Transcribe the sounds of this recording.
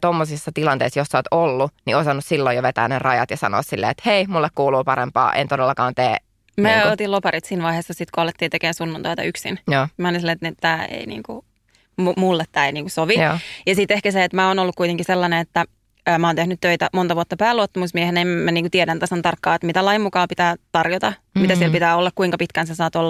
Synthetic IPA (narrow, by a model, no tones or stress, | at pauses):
t̪omːosisːɑt̪ilɑnt̪ḛisjosːoːt̪olːuniosɑnːussilːojoʋet̪æ̰ːnerɑjɑ̰t̪jɑsɑ̰no̰ːssilːḛet̪heimulːekkuːluːpɑɾempɑ̰ːʔḛnt̪odelːɑkɑːnt̪eː | mæot̪ilopɑrit̪siːnʋɑiheːsːɑsit̪koɑlːet̪ːiːt̪ekeːnsunːunt̪oit̪ɑ̰yksḭnjoːmæolinsilːeet̪net̪æːḛinḭːŋkṵ | mumulːet̪t̪æːniːŋkusoʋijɑsit̪ehkæseet̪mæoːnolːukuit̪eŋkiselːɑneet̪ːæ | əːmæoːnt̪ehnyt̪t̪øit̪æmont̪ɑʋuot̪ːɑpæːluot̪ːɑmusmiehenæimmæniːŋkut̪iedænt̪æsont̪ɑrkːɑːet̪mit̪ælɑjimmukɑːpit̪æːt̪ɑrjot̪ɑ | mit̪æsielpit̪æːolːɑkkuiŋkɑpit̪kænsesɑːt̪olːɑ